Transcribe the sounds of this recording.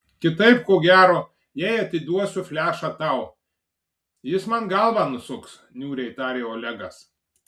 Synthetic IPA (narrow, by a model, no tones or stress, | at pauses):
kʲɪt̪ɐɪp̚koːɡʲæːɾoː | jɛɪɐt̪ʲɪd̪uɔsʲʊfʲlʲæːʃɐt̪ɐʊ | jɪsmɐnɡɐlˠʋɑnʊsʊks | nʲuːɾʲɛɪt̪ɑːɾʲeːoːlʲɛɡɐs